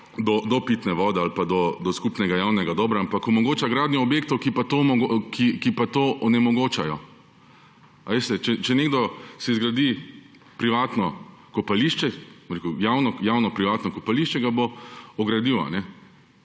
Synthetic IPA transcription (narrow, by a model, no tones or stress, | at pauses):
d̪ɔd̪ɔpiːt̪nɛʋɔːd̪ɛalpad̪ɔd̪ɔskupnɛɡajawnɛɡad̪ɔːbɾaampakɔmɔɡoːt͡ʃaɡɾaːd̪njɔɔbjeːk̚t̪ɔwkipat̪omɔɡokʰikipat̪oːʔɔnɛmɔɡoːt͡ʃajɔ̰ | a̰ʋest̪ɛt͡ʃɛt͡ʃɛneɡd̪ɔsɛzɡɾad̪i | pɾiʋaːt̪nɔkɔpaliʃt͡ʃɛɔɾekujawnɔjawnɔpɾiʋaːt̪nɔkɔpaliʃt͡ʃɛɡaboɔɡɾad̪iːʋɔ̰nɛ